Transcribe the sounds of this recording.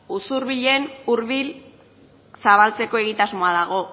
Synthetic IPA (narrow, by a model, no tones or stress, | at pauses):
usuɾβiʎe̞nuɾβil | saβalt͡se̞ko̞e̞ɣ̞it̪azmo̞aðaɣ̞o̞